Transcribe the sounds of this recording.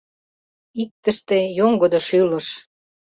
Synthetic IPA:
ik̚t̪ə̆ʃt̪ejoŋɡod̪ŏʃylə̆ʃ

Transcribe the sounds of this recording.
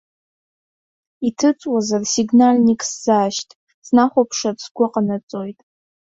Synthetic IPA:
itʰɨt͡sʼwazarsiɡnalnikʼszaːʃtʼ | snaχʷopʰʂatsɡʷʊqʼanat͡sʼo̞jtʼ

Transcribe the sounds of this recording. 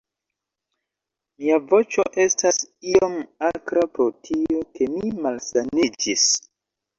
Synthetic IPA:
miavo̞t͡ʃo̞ʔe̞stasiomakɾapɾo̞tʰio̞ke̞mimalsanid͡ʒis

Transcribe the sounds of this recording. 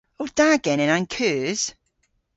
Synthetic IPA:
od̥aːɡ̥ɛnə̃nãnkʰʉːz̥

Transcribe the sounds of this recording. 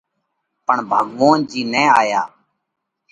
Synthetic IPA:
pəɳbʱəɠʋõːnd͡ʒiːnɛ̃ːaːjaː

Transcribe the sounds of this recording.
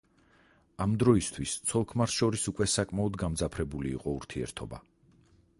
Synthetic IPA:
amd̪ɾɔist̪ʰwist̪sʰɔlˠkʰmaɾsʃɔɾisukʼwɛsakʼmaɔd̪ɡamd̪zapʰɾɛbulḭːqʼɔuɾt̪ʰiɛ̰ɾt̪ʰɔba̰

